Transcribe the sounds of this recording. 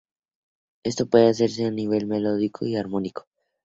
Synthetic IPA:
e̞st̪o̞pwe̞ðe̞as̬e̞ɾs̬e̞aniβ̞e̞lme̞lo̞ð̞ikʰo̞̰iaɾmo̞niko̥

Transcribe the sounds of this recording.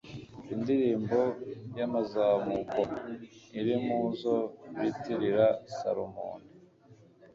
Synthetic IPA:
indiɾiːmbo̞jamazaːmukoniɾimuːzoɾitiɾiɾasa̰ɾomo̰ːni

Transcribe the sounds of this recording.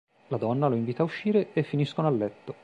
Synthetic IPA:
lad̪ɔnːaloiɱviːt̪auʃːiːɾeefːiniskonoalːɛt̪ːo

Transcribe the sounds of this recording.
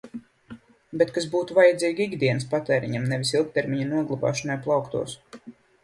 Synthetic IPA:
bet̪kasbuːt̪uvajad̪ziːɡiɡd̪iɛnspat̪ɛːɾḭɲamnɛvʲisilˠk̚t̪eɾmʲiɲanuɔɡlˠuba̰ːʃɔnajplˠawkt̪ṵɔs

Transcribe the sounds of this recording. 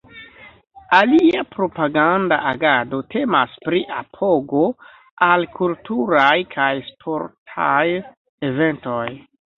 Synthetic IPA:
aliapɾo̞paɡanda̰ʔaɡado̞tʰe̞maspɾiʔa̰pʰo̞ɡo̞ | alkʰultuɾajkʰajspʰo̞ɾtʰa̰j | eve̞nto̞j

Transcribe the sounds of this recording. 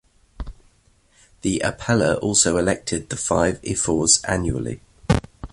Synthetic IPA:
ðiʔəpʰɛləɹʔɔˑlˠsəʊɪlɛk̚tʰɪd̪̚ðəfaɪvɪ̰fɔːz̥ã̰njuə̰lḭ

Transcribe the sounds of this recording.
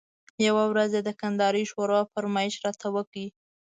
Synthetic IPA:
jawawɾazed̪əkand̪ɑɾiʃwoɾoafaɾmɑɪʃɾɑt̪ʰawəki

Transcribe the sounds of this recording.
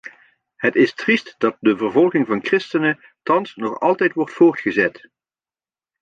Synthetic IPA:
ɦətɪstristdɑt̚dəvəɹvɔlˠχɪŋvɑnkrɪstənə | tɑnsnɔχɑ̰lˠtɛjtʋɔɹtfʊːɹtχəzɛt

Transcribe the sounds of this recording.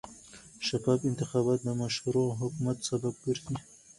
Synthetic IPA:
ʃafɑfɪnt̪ɪxɑbɑt̪̚d̪əmaʃhaɾoɦʊkumat̪sabab̚ɡəɾd̪i

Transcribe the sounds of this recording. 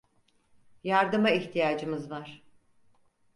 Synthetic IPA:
jaɾd̪ɯmaiçt̪ʰijaːd͡ʒɯmɯzvaɾ̥

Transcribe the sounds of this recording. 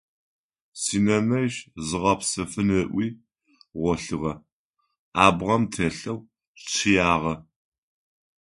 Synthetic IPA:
siːnɐnɐjɕzɨʁɐpsɐfɨnɨʔʷiː | ʁʷɔɬɨʁɐ | aːbʁɐmtʰeːɬɐw | t͡ʃʰɪjaːʁɐ

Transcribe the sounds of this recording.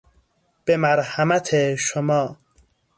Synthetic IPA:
b̥emæɾhæmæt̪ʰeʃomɒː

